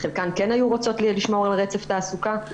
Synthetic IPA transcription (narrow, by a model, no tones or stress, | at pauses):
χelkankenajuʁot͡so̞tlliʃmo̞ʁalʁet͡seft̪aːsuka